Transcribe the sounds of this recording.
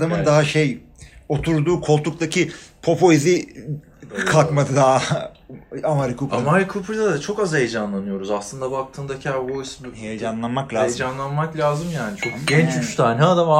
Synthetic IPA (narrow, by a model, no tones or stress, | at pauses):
d̪amɯnd̪aɦaʃej | o̞t̪ʰuɾd̪uːkʰo̞lˠt̪ʰuk̚t̪ʰacʰipʰo̞pʰo̞izi | kʰakmad̪ɯd̪aɦ | amaɾikʰupɾamaɾikʰupɾd̪ad̪at͡ʃʰo̞kazhejed͡ʒanlˠanɯjo̞ɾuzaslˠɯnd̪abak̚t̪ʰɯːnd̪acʰaɾvojsbhejed͡ʒanlˠanmaklʲaːzj̪d͡ʒanlˠanmaklʲaːzɯmjaːnit͡ʃʰokɟɛnt͡ʃyʃt̪ʰaːnʲɛaːd̪ama